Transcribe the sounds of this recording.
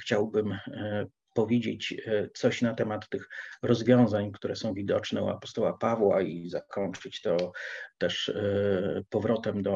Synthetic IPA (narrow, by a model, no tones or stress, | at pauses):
xt͡ɕawbɘm | pɔvʲjed͡ʑet͡ɕt̪sɔɕnat̪ɛmat̪ːɘxɾɔzvʲjɔ̃w̃zaɲkt̪uɾɛsɔ̃w̃vʲid̪ɔt͡ʂnɛṵa̰pɔst̪ɔwapavwaizakɔnt͡ʂɘt͡ɕt̪ɔt̪ɛʂ | pɔvɾɔt̪ɛmd̪ɔ